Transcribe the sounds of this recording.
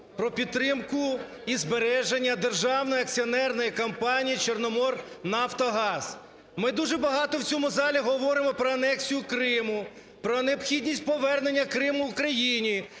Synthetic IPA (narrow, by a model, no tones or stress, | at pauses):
pɾɔpʲid̪t̪t̪ːɾɪmkʊ | izbeɾɛʒenʲːɐd̪erʒɑwnɔjɐk̚t͡sʲiɔnɛrnɔjikɐmpɑnʲijit͡ʃernɔmɔrnɑft̪ɔɦɑz̥ | mɪd̪uʒɛbɐɦɑt̪ɔwt͡sʲɔmʊzɑlʲiɦɔʋɔɾɪmɔpɾɔɐnɛksʲijʊkɾɪmʊ | pɾɔneɔpxʲidʲnʲisʲt̚ʲpɔʋɛrne̞nʲːɐkɾɪmʊukɾɐjinʲi